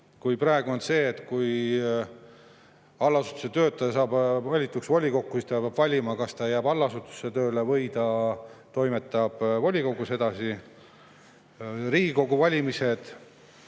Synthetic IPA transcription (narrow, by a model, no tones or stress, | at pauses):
kujprɑe̞ɡuo̞nse̞ːt̪kuj | ɑlːɑsu̥t̪ːˑu̥se̞t̪ø̞ːt̪̚ːɑɑsɑːbvɑlʲit̪ːˑuksvolʲiko̞kːusist̪ɑpjɑb̥vɑlʲimɑkɑst̪ɑjæːbɑlːɑsut̪ˑu̥se̞t̪øːle̞vɤ̞jd̪ɑt̪o̞jmet̪ːˑɑb̥volʲiko̞ɡuse̞d̪̥ɑsi | riːɡiko̞ɡuvɑlʲimise̞d̪̥